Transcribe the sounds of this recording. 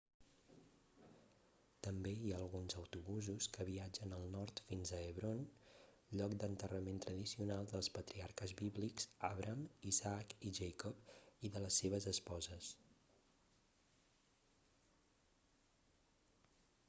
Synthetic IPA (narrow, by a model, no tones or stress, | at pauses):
t̪əmbeiaːlˠɣunzəwt̪uβuzuskəβiad͡ʒənəlˠnɔɾt̪finzəːβɾon | ʎɔkd̪ənt̪ərəment̪ɾəðisiunalˠd̪əlˠspət̪ɾiaɾkəzβiβlikzaβɾʔəmizakiʒɛjkɔpiðələsːeβ̞əzəspɔzəs